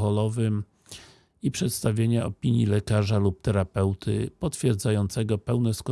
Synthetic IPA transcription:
ɔlɔvɘm | ipʂɛt̪st̪avʲjeɲaɔpʲiɲjilɛkaʐalup̚t̪ɛɾapɛwt̪ʰɘ̰pɔt̪fʲjɛɾd̪zajɔnt̪sɛɡɔpɛwnɛskɔ

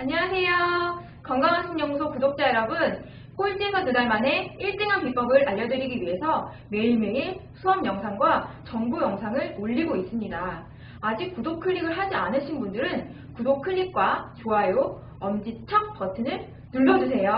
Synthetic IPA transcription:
aɲiasʰe̞jo | kʌŋɡaŋansʰoŋɲʌŋusʰokudok̚t͡ɕ͈aeɾʌbɯn | k͈ot͡ɕ͈esʰʌnudaɭmanɦe̞iɭt͈eŋɦanpip͈ʌɡɯɾaʎːʌdɯɾiɡiɥiɦe̞sʰʌ | me̞iɭme̞isʰuʌmjʌŋsʰaŋɡwat͡ɕʌŋbujʌŋsʰaŋɯɭoʎːiɡois͈ɯmɲidaː | d͡ʑik̚k͈udokʰɯʎːiɡɯɭɦad͡ʑianɯɕʰinbundɯɾɯn | kudok̚kʰɯɭʎːik̚k͈wat͡ɕoaejo | ʌmd͡ʑit͡ɕʰʌk̚p͈ʌtʰɯnɯɭ | nuɭːʌd͡ʑus̬ʰe̞jo

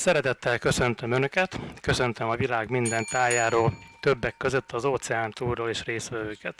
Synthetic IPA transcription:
sɛɾɛt̪ɛt̪ːɛlkø̞sø̞nt̪ø̞mønø̞kɛt̪kø̞sø̞nt̪ømɒvilaːɡmind̪ɛnt̪aːjaːɾoːlt̪ø̞bːɛkːø̞zø̞t̪ʰːɒzoːt̪sɛaːnt̪uːrːoːleːʃreːsʋɛvøːkɛt̪

